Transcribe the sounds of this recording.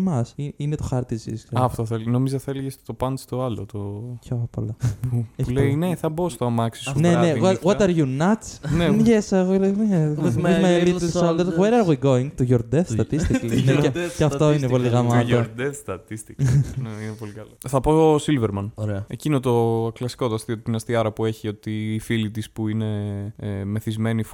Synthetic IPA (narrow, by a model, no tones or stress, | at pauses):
mɐsiinet̪oxɐɾt̪izḭskɐft̪oθelino̞mizɐθɐeleʝest̪opɐnst̪oɐlo̰t̪ocʰopolɐeçpuleineθɐbost̪oɐmɐksi̥suneneɣɐɣwot̪ɐɾʝunɐt͡sneʝesɐɣoleeizmelit̪lssond̪eɾɣweɾɐɾɣwiɡoiŋɡt̪uʝoɾd̪d̪eθsɐt̪ist̪itklneecɐft̪o̞ineppo̞liɣɐmɐt̪od̪est̪ɐt̪ist̪ikneinepo̞likɐloθɐposilveɾmɐnoɾeɐḛcinot̪o̞klɐsi̥ko̞t̪ɐst̪iot̪t̪inɐst̪iɐɾɐpue̞çio̞t̪iːfilit̪ispuine̞ | meθizme̞nif